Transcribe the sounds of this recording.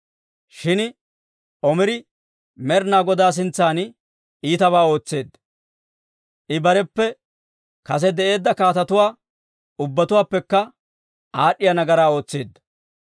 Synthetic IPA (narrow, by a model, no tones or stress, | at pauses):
ʃɪn | ʔɔmɪɾɪ | mɛɾnaːɡɔd̪aːs̬ɪnt͡sːaːn | iːt̪ɐβaːo̞ːt͡sːe̞ːd̪ | ʔɪbɐɾɛpːɛ | kɐs̬ɛd̪ɛʔe̞ːd̪ːɐkaːt̪ɐt̪ʊwaː | ʊbːɐt̪ʊwaːpːɛkːɐ | aːɗːɪjɐnɐɡɐɾaːo̞ːt͡sːeːd̪ːɐ